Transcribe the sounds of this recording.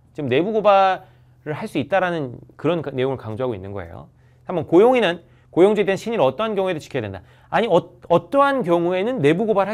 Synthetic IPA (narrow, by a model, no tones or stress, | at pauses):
t͡ɕimne̞buɡoba | ɾɯɭɦaɭs͈uit̚t͈aɾanɯnkɯɾʌnnːe̞joŋɯɭkaŋd͡ʑoɦaɡoinːɯnɡʌ̰e̞̰jo̰ | sʰamʌnkojoŋinɯn | kojoŋd͡ʑuidenɕʰiɲiɾʌt͈ʌɦankjʌŋue̞dot͡ɕikʰʌadwe̞nda̰ | aɲiʌʌt͈ʌɦankjʌŋue̞nɯnːe̞buɡobaɾɯɭɦa